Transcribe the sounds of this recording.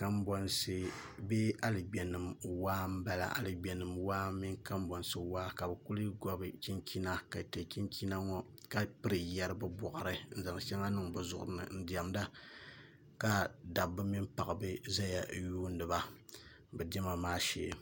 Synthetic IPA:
ka˦mbɔ˨nsɨ˦ | be˦a˦lɨ˨ɡ͡bɛ˨nɨ˨mwaː˦m̩˦ba˦la̰˦˨ʔa̰˨lɨ˨ɡ͡bɛ˨nɨ˨mwaː˦m˦mi˦ŋka˦mbɔ˨nsɨ˨waː˦ka˨bɛ˨ku˦lɨ˦ɡɔ˦bɨ˨t͡ʃi˦nki˦na˦ka˨tɛ˨ki˦nki˦na˦ŋɔ˦ | ka˦pɨ˦ɾɨ˨jɛ˦ɾɨ˦bɨ˦bɔ˨ʔa˨ɾɨ˦n̩˦˨za˨ŋ˨ʃɛ˦ŋa˦nɨ˦ŋbɨ˨zʊ˨ʔʊ˨ɾɨ˨˦nɨ̰˨n̩˦di˨ɛ˨mda˦ | ka˦da˨bːɨ˦mi˦mpa˨ʔɨ˨bɨ˦za˦ja˨juː˦n̩˦dɨ˨ba˦ | bɛ˨dɛ˦ma˨maː˦ʃḛ˨˦˨

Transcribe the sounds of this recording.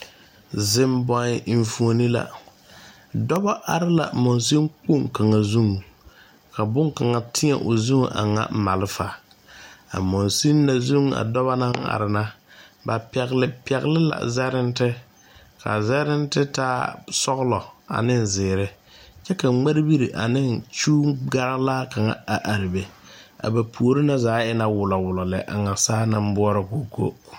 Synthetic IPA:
zɪ˦mbɔ˦n˦ʔi˨ɱ˦fu˦o˦ni˦la̰˨ | dɔ˦ba˦ʔa˨ɾɪ˦la̰˨mɔ˨ns̬i˦ŋk͡pu˦˨ŋka˨ŋa˨zu˦ŋ˨ | ka˨bʊ˦ŋka˨ŋa˨tʰɪ˦ɛ̰˨ʔo˨zu˦ŋ˨ʔa̰˨ŋa̰˨m˦ma˨lɪ˦fa˨ | a̰˨mɔ˨nsi˦nː˦a˨zu˦ŋ˨a̰˨dɔ˦βa˦na˦ŋa̰˨ɾɪ˨na˦ | ba˨pɛ˨ɣlɪ˨pɛ˨ɣlɪ˦la̰˨zɛ˦ɾɪ˦n˦tɪ˦ | kʰa̰˨zɛ˦ɾɪ˦n˦tɪ˦taː˦sɔ˦ɣlɔ˨a̰˨nɪ˦n̩˨zɪː˨ɾɪ˦ | t͡ʃɛ˦ka˨ŋ͡ma˦ɾbi˦ɾi˨ʔa˨nɪ˦nt͡ʃuː˦ɡa˦ɾa˦laː˦ka˨ŋa̰˨a˨ʔa˨ɾɪ˨be˨ | a̰˨ba˨pʰu˨o˨ɾɪ˦na˦zaː˨˦ɪ˦na˨wʊ˨lɔ˨wʊ˨lɔ˨lɛ˨ʔa̰˨ŋa˨saː˦na˦m˦bʊ˦ɔ˦ɾa˨ko˨ko̰˦

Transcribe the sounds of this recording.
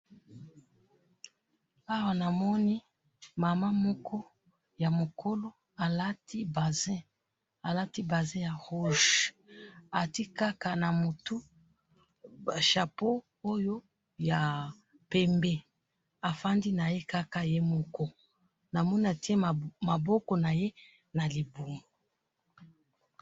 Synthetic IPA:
a˦wa˨na˨mɔ˦ni˦ | ma˨ma˦mɔ˦kʰɔ˦ | ja˨mo˨kʰo˦lo˦ | a˨la˦tʰi˦ba˨zɛ̃˦ | a˨la˦ti˦ba˨zɛ̃˦ja˨ʁu˦ʒ | a˨ti˦ka˦ka˨na˨mo˨tu˦ | a˨ʃa˨po˦ | o˦jo˦ | ja˨ | pɛ˦mbɛ˦ | a˨fa˦ndi˦na˨je˦ka˦ka˦je˦mɔ˦kɔ˦ | na˨mɔ˦na˨ti˦ɛ˦˨ma˨bɔ˦kɔ˨na˨je˦ | na˨li˨bu˨ŋɡo˨

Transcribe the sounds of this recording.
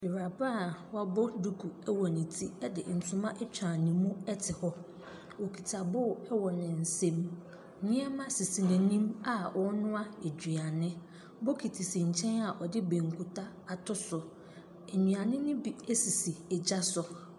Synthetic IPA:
bɪ˨ɾa˨ba˦˨wa˦bɔ˦du˦kʰu˨ɛ˦wɔ˨nɪ̃˨tʰi˦ɛ˦dɪ̰˨n̩˨sʊ̃˨mã˦ʔɛ˦t͡ɕᶣɾã˨nɪ̃˨mũ˦ɛ˦tʰɪ˨hɔ˦ | wo˨kʰi˨tʰa˨bʊ˦˨ɛ˦wɔ˨nɪ̃˨n̩˨sẽ˦m˨ | nɪ̃˦ɛ˦mã˦si˨si˨nɛ̃˨nĩ˦ma˨wɔ˦nʊ̃˦a˦e˨d͡ʑᶣɥa˨nɪ̃˦ | bo˦kʰi˨tʰi˨sĩ˨ɲ̩˨t͡ɕʰɛ̃˦na˨ʔɔ˨dɪ˦bẽ˨ŋ˨kʰu˨tʰa˦ | a˨tʰʊ˦sʊ˨ | e˨ɲũ˨a˨nɪ̃˦nɪ̃˦bi˨e˦si˨si˨e˨d͡ʑa˦sʊ˨

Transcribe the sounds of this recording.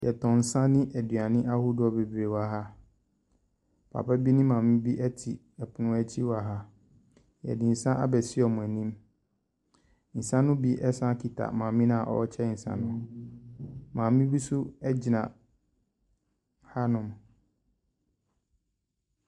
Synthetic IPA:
jɛ˨tʰɔ̃˨n̩˨sã˦nɪ̃˦ʔæ˨dɥa˨nɪ̃˦ʔa˦hʊ˦dʊ˦ɔ˨be˨bɾe˨wa˨ɦa˦ | pʰa̰˨pʰa˦bi˦nɪ̃˦mã˨mɪ̃˦bi˦ʔɛ˦tʰi˨ | ɛ˨pʰʊ˨nʊ̃˦ɛ˦t͡ɕʰi˦wa˨ɦa˦ | jɛ̰˨dɪ̃˨n̩˨sã˦ʔa̰˦bɛ˨sɪ˦ɔ˨mʊ̃˨æ˨nĩ˦m | n̩˨sã˦nʊ̃˦bi˦ʔɛ˦sã˦kʰi˨tʰa̰˨mãː˨mĩ˦nã˦˨ʔɔ̰˦t͡ɕʰɛ˦n̩˨sã̰˨nʊ̃˦ | mã˨mĩ˦bi˦sʊ˦ɛ˦d͡ʑi˨nã˨ | ha˦nʊ̃˨m

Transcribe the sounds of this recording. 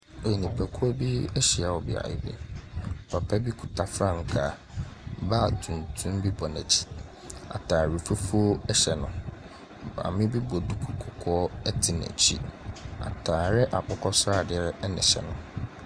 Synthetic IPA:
o˨i˨nĩ˨pʰæ˨kʰu˦ɔ˦bi˦ɛ˦ɕi˨a˨wɔ˨bɪ̰˨a̰˨jɪ̰˦bḛ˦˨pʰa˨pʰɛ˦bi˦kʰu˨tʰa˨fɾã˦ŋ̩˨kʰa˨ | ba˦˨tʰũ˨n˨tʰũ˦mbi˦bɔ˨næ˨t͡ɕʰi̥˦ | a̰˨tʰaː˨ɾi˨fu˦fu˦o˦ɛ˦ɕɛ˨nʊ̃˨ | ba̰˨mɪ̃˦bi˦bɔ˨du˦kʰu˨kʰʊ˨kʰɔ˦ɛ˦tʰɪ˨næ̰̃˨t͡ɕʰḭ˦a̰˨tʰaː˨ɾɪ˦ʔa˨pʰʊ˦kʰɔ˦sa˦˨dɪ˨ɛ˦ɾnɪ̰̃˨ɕɛ̰˨nʊ̃˦

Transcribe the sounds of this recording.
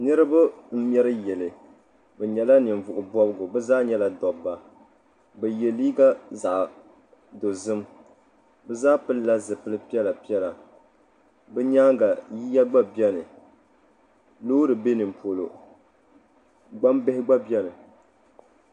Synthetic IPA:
nɨ˦ɾɨ˦ba˦m̩˦m˦ɛ˦ɾɨ˦jɛ˨lɨ˨ | bɛ˨ɲɛ˨la˦nɨ˨ɱ˨vʊ˨ʔʊ˨bɔ˦bɨ˦ɡʊ˨bɛ˦zaː˦ɲɛ˦la˨dɔ˨bːa˨ | bɛ˨jɛ˨li˦ɡa˦za˨ʔ | do˨zɨ˦m | bɛ˦zaː˦pɨ˦lla˦zɨ˨pɨ˦lɨ˦pi˦ɛ˦la˨pi˦ɛ˦la˨ | bɛ˦ɲaː˦ɡa˨jiː˦ja˦ɡ͡ba˦bi˦ɛ˦nɨ˨ | loː˦dɨ˨be˦nɨ˨m˨po˨lo̰˨ | ɡ͡ba˦mbɛ˦hɪ˦ɡ͡ba˦bi˦ɛ˦nɨ˨

